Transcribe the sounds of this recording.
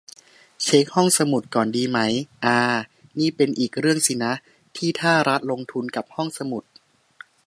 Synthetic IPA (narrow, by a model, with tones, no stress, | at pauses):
t͡ɕʰe˦˥k̚hɔ˥˩ŋsa˧mu˨˩t̪̚kɔː˨˩ndiː˧ma˦˥jʔaː˧niː˥˩pe˧nʔiː˨˩k̚ɾɯ˥˩əŋsi˨˩na˦˥ʔ | t̪ʰiː˥˩t̪ʰaː˥˩ɾa˦˥t̪̚lo˧ŋt̪ʰu˧nka˨˩p̚hɔ˥˩ŋsa˧mu˨˩t̪̚